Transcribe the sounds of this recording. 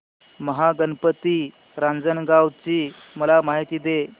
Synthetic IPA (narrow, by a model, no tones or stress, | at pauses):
məɦaɡənpət̪i | ɾãnd͡zənɡawt͡ɕiː | məlamaɦit̪iːd̪e